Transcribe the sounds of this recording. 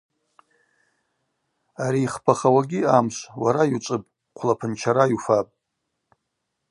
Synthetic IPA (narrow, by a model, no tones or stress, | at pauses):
aɾiːχpʰaχawaɡʲiamʃʷwaɾajut͡ʃʷʼɨpʼ | qʷʰlapʰɨnt͡ʃʰaɾajufapʼ